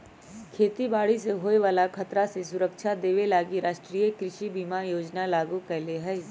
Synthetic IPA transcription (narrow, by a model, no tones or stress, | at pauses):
kʰeːt̪ibaːɽiseɦoːeʋaːlakʰɐt̪ɾasesʊɾəkʃʰad̪eːʋelaːɡiɾaːʃʈɾiːjekɾɪʃibʱimajoːd͡ʒnalaːɡukɛɦleɦɛː